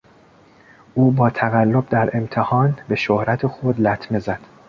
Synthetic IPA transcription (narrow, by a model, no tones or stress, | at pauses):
ʔuːbɒːt̪ʰæɣælːo̞b̚d̪æɾe̞mt̪ʰehɒːnbe̞ʃohɾæt̪ʰexod̪læt̪ʰme̞zæd̪̥